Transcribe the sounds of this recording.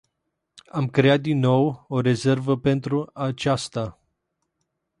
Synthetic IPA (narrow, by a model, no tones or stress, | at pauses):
amkɾe̞at̪̚d̪inːo̞wo̞ɾe̞ze̞rvəpe̞nt̪ɾuat͡ʃast̪a